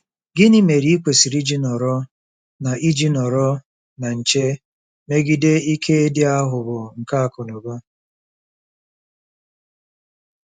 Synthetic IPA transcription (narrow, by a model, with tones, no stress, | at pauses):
ɡɪ˦ni˦me˨ɾi˦i˦kʷe˨si˨ɾi˦d͡ʒi˦nɔ˨ɾɔ˦ | na˨ʔi˦d͡ʒi˦nɔ˨ɾɔ˦ | na˨n̩˨t͡ʃe˦ | me˦ɡi˦de˦i˦kʰe˦e˦dɪ˦a˦ɦʊ˨bʊ˨ŋ̩˨ka˦a˨kʊ˨nʊ˨ba˦